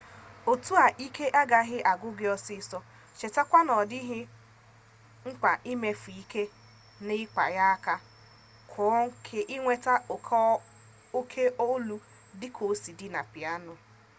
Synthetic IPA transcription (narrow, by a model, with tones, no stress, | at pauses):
o˨tu˦a˨ʔi˦kʰe˦ʔa˦ɡa˨˦ɦɪ˦ʔa˨ɡʊ˦ɡɪ˨˦ɔ˦sɪ˦˨sɔ˦ | t͡ʃe˨ta˦kʷa˦nɔ˨dɪ˦ɦɪ˦ | ŋ͡m̩˦k͡pa˨ʔɪ˦me˦fu˨i˦ke˦ | nɪ˦k͡pa̰˨ja˦a˦ka˦ | kʰʊ˨ɔ˦ŋ̩˦kʰe˨ʔɪ˦ŋʷe˦ta˦o˨kʰɔ˦ | o˦kʰe˦ʔo˦lu˦ | dɪ˦kʰo˨˦si˨dɪ˦na̰˨pɪ˨a˦nʊ˨